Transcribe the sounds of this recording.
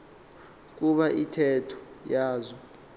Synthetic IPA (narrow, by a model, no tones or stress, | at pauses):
k̬ʼuɓaʔitʰɛtʰɔ̥jaːzɔ